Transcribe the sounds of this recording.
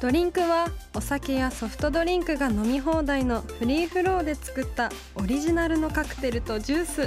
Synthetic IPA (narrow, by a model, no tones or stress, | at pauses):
d̪̥o̞ɾʲĩŋkɯ̟βao̞sake̞jaso̞ɸɯ̟̥t̪o̞d̪o̞ɾʲĩŋkɯ̟ɡano̞mʲiɦo̞ːd̪aino̞ɸɯ̟ɾʲiːɸɯ̟ɾo̞ːd̪e̞t͡sɨ̥kɯ̟t̪ːa | o̞ɾʲiʑinaɾɯ̟no̞kakɯ̟̥t̪e̞ɾɯ̟t̪o̞ʑɨːsɨ